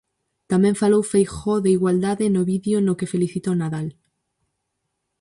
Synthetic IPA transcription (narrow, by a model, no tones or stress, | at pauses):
t̪amẽɱfalowfejxoðeiɣwald̪aðenoβiðjonokefeliθit̪onaðal